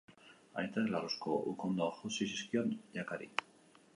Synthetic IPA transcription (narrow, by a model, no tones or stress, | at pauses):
a̰jt̪aðelaroskoʔukond̪oaxosis̬iskionʎakaɾḭ